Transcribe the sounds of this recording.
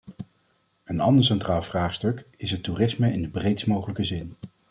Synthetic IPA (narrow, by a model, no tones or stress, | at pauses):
ənɑ̰ndəɹs̬ɛntraːlˠv̥raːχstɵkɪsɦəturɪsməɪndəbrejtsmowχələkəzɪn